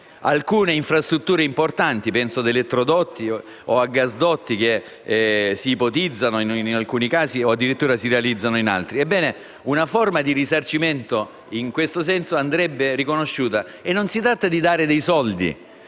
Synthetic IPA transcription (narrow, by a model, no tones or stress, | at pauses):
a̰lkuːneiɱfɾast̪ɾut̪ːuːɾeimport̪ant̪ipɛnsod̪elet̪ːɾod̪ɔt̪ʰːi | oaɡːazd̪ɔt̪ːik̟e | siːpot̪id̪zːanoininalkuːnikaːsioad̪ːiɾit̪ːuːɾasiɾealid̪zːanoina̰lt̪ɾiebːɛːne | unaformad̪irisart͡ʃiment̪o | iŋkwest̪osɛnsoand̪ɾɛbːerikonoʃːuːt̪a | enːonsit̪ɾat̪ːad̪id̪aːɾed̪ejsɔld̪ḭ